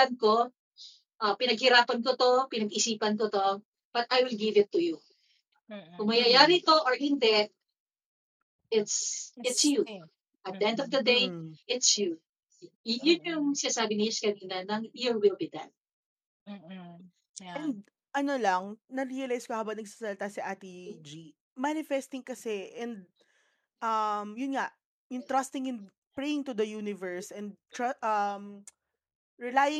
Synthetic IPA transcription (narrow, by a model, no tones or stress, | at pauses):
ɐnko̞ | ʔɐpɪnɐɡ̚hɪɾaːpɐnk̬ot̪o̞pɪnɐɡɪsiːpɐnkot̪o̞ | b̥ɐt̪ʔajwɪlɡɪvɪt̪ːuju | kʊŋmɐjajaːɾit̪o̞ʔoɹhɪnd̪ɛ | ʔɪt̪sɪt̪sju | ʔɐt̪̚d̪ɛʔɛ̃nd̪ɔvd̪ɐd̪ejʔɪt̪sju | jʊnjʊŋsɪnaːsaːbɪniɪskɐniːnɐnɐŋjʊɹwɪlbɪd̪ɐ̰n | ɛnnd̪̚ | ʔɐnolɐŋnɐɾiɐlajskohaːbɐnɐɡ̚sasɐlt̪asɐʔat̪id͡ʒi | manɪfɛst̪ɪŋkɐsɛʔɛnd̪̚ | ʔɐmjʊnŋaʔ | jʊŋt̪ɾɐst̪ɪŋɪn | pɹejɪŋt̪ʊd̪ɐjuːnɪvɛɹsʔɛ̃nd̪̚t̪ɹaʔɐm | ɹɛlajɪ